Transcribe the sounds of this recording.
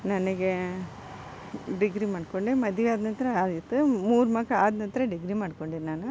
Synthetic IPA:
nɐnɐɡe | ɖiɡɾimaːɖkoɳɖimɐd̪iʋaːd̪nɐnt̪ɾɐaːd̪it̪ːumuːɾmɐkːɐaːd̪nɐnt̪ɾɐɖiɡɾimaːɽkoɳɖiːɾnaːnu

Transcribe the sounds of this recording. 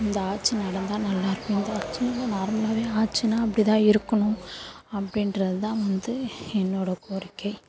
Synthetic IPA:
ɪnd̪ɐaːʈ̚t͡ʃːɯnɐɽɐnd̪ãːnɐlːaːɪɾɯkːɐ̃ɪnd̪ɐːt͡ʃːɯnɐlːɐnaːɾmɐlaːʋeːaːʈ̚t͡ʃːɯnaːɐp̬ːɐɽɪt̪ãːɪɾɯkːɐɳʊ̃ | ɐpːɐɽɪnɾɐðɯt̪ãːʋɐnd̪ɯɛnːoːɽɐkoːɾɪkːɐɪ

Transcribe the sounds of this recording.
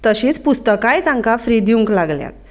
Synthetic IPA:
t̪əɕĩːt͡spust̪əkãjt̪ãŋkafɾid̪iũŋklaɡlja̰t̪̚

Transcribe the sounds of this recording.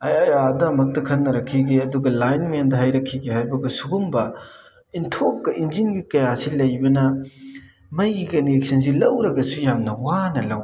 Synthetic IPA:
ɐjajadɐmɐk̚tɐkʰɐnːɐɾɐkʰːiɡeɐduɡɐlajnmɐjandɐɦɐjɾɐkʰːiɡehajbɐɡɐsuɡumbɐ | intʰokːɐʔind͡ʒinɡikɐjasilɐjbɐnɐ | mɐjɡɐniek̚sɐns̬ilɐwɾɐɡɐsujamnɐwanɐlɐw

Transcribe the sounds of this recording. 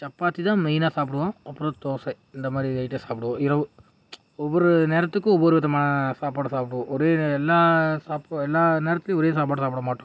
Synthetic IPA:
t͡ʃɐpːaːt̪ːit̪ãːmɛjnaːsaːp̬ɪɽɯʋõːɐpːɯɾõt̪oːsɛ | ɪnd̪ɐmaːd̪ɾiʋɐɪʈːeːsaːpɪɽɯʋõːɪɾɐʋɯ | ɔʋːɐɾɯneːɾɐt̪ːɯkːɯ̃ɔʋːɔɾɯʋɪðɐmaːnɐsaːpaːɽsaːpʈɯʋõːʔɔɾeːɛlːaːsaːpɛlːaːneːɾɐt̪ːɪlj̃ɔɾeːs̬aːp̬aːɽsaːpɽɐmaːʈːʊ̃

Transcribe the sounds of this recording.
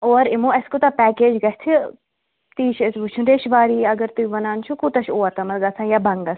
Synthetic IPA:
oːɾɪmũɐskot̪apɛːkeːd͡ʒɡɐt͡ʃʰʲt̪ʰi | t̪iːt͡ʃʰesʋut͡ʃʰũnɾeːʃʋaːɾiːɐɡəɾt̪uʋɐnaːnt͡ʃʰukut̪ɐʃʰoːɐt̪ɐmɐɾɡɐsʰãːjabɐŋɡɐ

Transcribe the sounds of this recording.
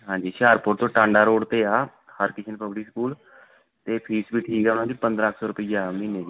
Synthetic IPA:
ɦãːɲd͡ʒiːʃaːɾpʊɾt̪õːʈãːɳɖaːɾoːɖt̪eːaː | həɾkɪt͡ʃʰənpəbʈiːskuːl | t̪eːpʰiːsbʱiːʈʰiːkɛːʊnãːd͡ʒiːpənd̪ɾaəkʰsɔːɾʊpiːd͡ʒaːmɪ̃neːd͡ʒiː

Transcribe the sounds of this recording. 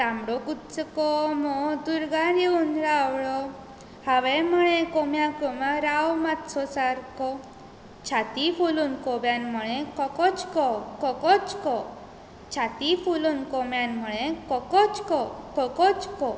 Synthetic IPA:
t̪amɽɔkut̪t͡səkɔmɔd̪uɾɡaɾiunɾawɭɔ | haʋɛməɭ̃ẽkɔmjãkɔmãɾawmat̪sɔsaɾkɔ | t͡ɕʰat̪ifoluːnkɔbjanməɭẽkɔkɔt͡ɕkɔkɔkɔt͡skɔ | t͡ɕʰat̪ifuluːnkɔmjanməɭẽkɔkɔt͡skɔkɔkɔt͡skɔ

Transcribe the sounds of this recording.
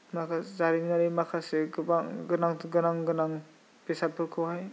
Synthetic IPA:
makʰazaɾimnaɾimakʰaseɡɯbaŋɡɯnaŋɡɯnaŋɡɯnaŋ | pesat̚pʰɯɾkʰɯwhaj

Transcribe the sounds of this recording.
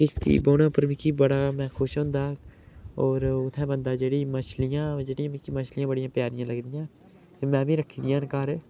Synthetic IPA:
kɪst̪ḭːboːnãːpəɾmɪkibəɽaːmɛ̃ːkʰʊʃɦõnd̪aː | ɔːɾʊt̪ʰːɛ̃ːbə̃nd̪aːd͡ʒeːɽiːməʃlɪjãːd͡ʒeːɽijãːmɪkiməʃlɪjãːbəɽɪjãːpjaːɾɪjãːləɡd̪ɪjãː | mɛ̃ːbʱĩːɾəkʰiːd̪ijãːnkaːɾː

